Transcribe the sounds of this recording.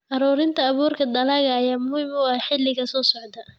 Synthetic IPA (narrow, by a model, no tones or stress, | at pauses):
ʔɐɾuːɾɪnt̪ʰɐːβuːrkʰɐd̪ɐlaɣɐːjaːmʊhɪmʊħɪlːɪɣɐsɔːsɔʕd̪ɐ